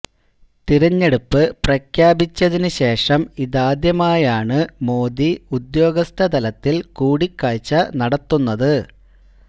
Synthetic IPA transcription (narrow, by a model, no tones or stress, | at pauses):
t̪iɾɐɲːe̞ɽupːɨprɐkʰjaːbit͡ɕːɐðinɨɕe̞ːʂɐmiðaːd̪jɐmaːjaːɳɨmo̞ːd̪iud̪jo̞ːɡɐst̪ʰɐd̪ɐlɐt̪ːilkuːɽikːaːt͡ɕːɐnɐɽɐt̪ːunːɐðɨ